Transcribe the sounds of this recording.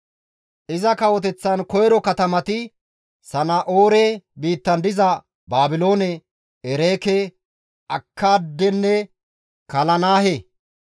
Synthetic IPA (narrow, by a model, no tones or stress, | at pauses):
ʔɪzɐkɐwɔt̪ɛt͡sːɐnkɔjɾɔkɐt̪ɐmɐt̪ɪ | sɐnaʔoːɾeːbiːt̪ːɐnd̪ɪzɐ | baːbɪlo̞ːnɛ | ɛɾeːkɛ | ɐkʰːaːd̪ːɛnːɛ | kɐlɐnaːhe